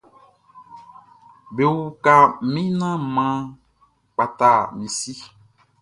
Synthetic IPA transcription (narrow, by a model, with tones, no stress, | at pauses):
be˨wu˨ka˨˦mĩ˦nã˦mã˦ | k͡pa˨ta˨mĩ˨si˦